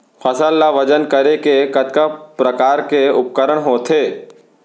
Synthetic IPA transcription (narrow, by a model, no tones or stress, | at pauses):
fʰɐsəlːaʋɐd͡ʒənkəɾekekɐt̪kapɾəkaːɾkeʊp̚kəɾəɽ̃ɦoːt̪ʰeː